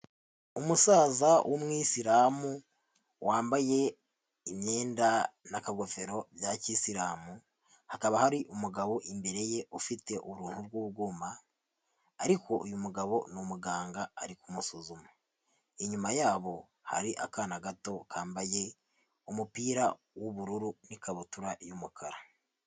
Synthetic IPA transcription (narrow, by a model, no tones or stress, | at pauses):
umusaːzawʔomŋiːsiɾamu | wʔaːmbaje̞ | imɲe̞ːndanakaɡo̞fe̞ɾo̞bjacisiɾaːmu | hakaβahaɾiʔumuɡaβo̞ʔimbe̞ɾe̞je̞ʔufite̞ʔuβuɾuːnhuɾɡuːɡuːmaː | ɾiko̞ʔujumuɡaβo̞numuɡaːŋɡaːɾikumusuzuma | iɲumajaːβo̞ | ha̰ɾiʔa̰kaːnaɡato̞kaːmbaje̞ | umupiːɾa | woβuɾuɾunikaβutuɾajumukʰaɾa